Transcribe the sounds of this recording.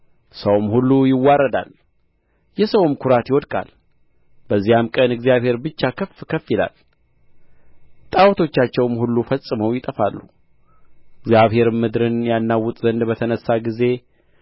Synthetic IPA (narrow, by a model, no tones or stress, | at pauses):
səwmhulːujɪwːaɾəd̪a̰l | jɛsəwmkʰʊɾat̪jɪwɔd̪kʼa̰l | bəzːijamkʼənɨɡzijaβhe̞ɾbɨt͡ʃːakʰəfkʰəfila̰l | t̪ʼawt̪ʰo̞t͡ʃːat͡ʃːɛwmhulːufəsʼːɨməwjɪt̪ʼəfalːu | ɨɡzjaβhe̞ɾmːɨd̪ɾɨnjanːawːʊt̪ʼzənd̪bət̪ʰənəsːaɡize̞